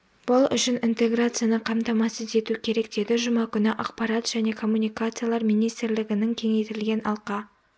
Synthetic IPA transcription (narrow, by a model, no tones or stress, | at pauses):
b̥ʊlˠʏ̰ʃɪnint̪e̞ɡɾat̪sɨjanəqʰɑmt̪ɑmɑsəzd̪e̞t̪ukʲʰe̞ɾe̞kd̪̥e̞d̪ɪʒʊmɑkʲʰʏnɪʔɑqpɑɾɑt̪ʒ̥æne̞kʰo̞mːunʲijkat̪sɨjalˠɑɾmijnijst̪ɪɾlɪɡʲɪnɪŋkʲʰe̞ŋe̞jt̪ɪlɡʲe̞nɑlˠqɑ